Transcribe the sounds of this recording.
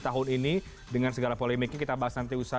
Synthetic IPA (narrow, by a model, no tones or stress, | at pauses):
t̪aɦʊnini | dəŋansəɡalapolɛmɪk̚ɲakit̪abaɦasnant̪̬iusa